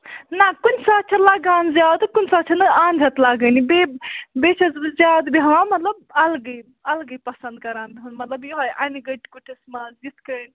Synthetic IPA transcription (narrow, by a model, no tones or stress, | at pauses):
nakunsaːt͡ʃʰɐlaɡãːnzʲjaːwd̪kunʲsaːt͡ʃʰɐnɨaːnd̪ʱɐt̪laɡənibebet͡ʃʰɐzbzjaːd̪biɦɐʋãmɐt̪lɐb̚ɐlɡɨ | ɐlɡɨpɐsɐ̃nd̪̚kɐɾaːnbiɦunmɐt̪lɐbjoɦojʔaniɡɐʈkuʈʰismazit̪kən